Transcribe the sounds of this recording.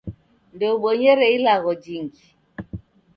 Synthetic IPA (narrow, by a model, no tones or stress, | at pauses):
ndɛuɓɔɲɛɾɛilaɣɔd͡ʒiŋɡi